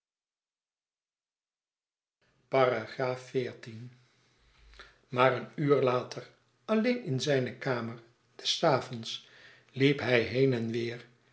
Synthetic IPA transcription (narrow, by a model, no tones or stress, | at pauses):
paːraχraːfːɪːɹtin | maːɹənyːɹlaːtʰəɹ | ɑlejnɪnzɛjnəkaːməɹ | d̥ɛsaːvɔns | lipɦɛjɦejnɛnʋɪːɹ